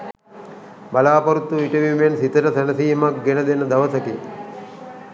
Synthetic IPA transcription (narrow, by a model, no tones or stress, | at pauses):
bɐlaːpɐɾut̪ːuiʈeʋiːmensit̪ɐɾɐsɐnɐsiːmɐk̚ɡenɐd̪enɐd̪ɐʋɐsɐki